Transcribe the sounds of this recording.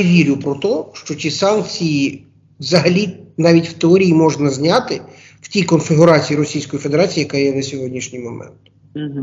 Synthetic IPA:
ʋʲiɾʲʊpɾɔt̪ɔʃt͡ʃɔtʲisɑnk̚t͡sʲiji | ʋzɐɦɐlʲinɑʋʲitʲw̥t̪eɔɾʲijimɔʒnɐzʲnʲat̪ɪ | w̥tʲikɔnfɪɦʊɾɑt͡sʲijiɾɔsʲijsʲkɔjifed̪eɾat͡sʲijijɐkajɛnɐsʲɔɦɔdʲnʲiʃnʲijmɔmɛ̰nt̪̩

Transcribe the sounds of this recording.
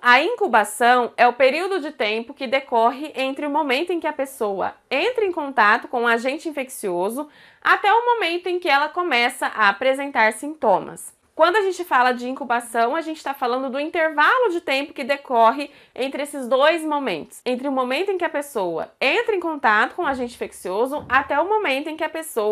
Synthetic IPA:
ɐĩŋkubasɐ̃w̃ɛʊpeɾiwd̪ʊd͡ʒɪt̪ẽpʊkɪd̪ekɔɦɪʔẽnt̪ɾɪʊmomẽnt̪ʊẽkʲɪɐpesowɐ̰ẽnt̪ɾɐẽkõnt̪at̪ʊkõũaʒẽnt͡ʃɪĩfeksiozʊ | at̪ɛʊmomẽnt̪ʊẽkɪɛlɐkomɛsɐʔaapɾezẽnt̪aɾsĩnt̪õmɐ̰s | kwɐ̃nd̪ʊaʒẽnt͡ʃɪfalɐd͡ʒɪĩŋkubasɐ̃w̃aʒẽnt͡ʃɪst̪afalɐ̃nd̪ʊd̪ʊĩnt̪eɾvalʊd͡ʒɪt̪ẽpʊkɪd̪ekɔɦɪ | ʔẽnt̪ɾɪesɪzd̪ojzmomḛ̃nt̪ʊ̥sẽnt̪ɾɪʊmomẽnt̪ʊẽkɪɐpesowɐ̰ẽnt̪ɾɐẽŋkõnt̪at̪ʊkõw̃aʒẽnt͡ʃɪĩfeksiozʊat̪ɛʊmomẽnt̪ʊẽkɪɐpesow

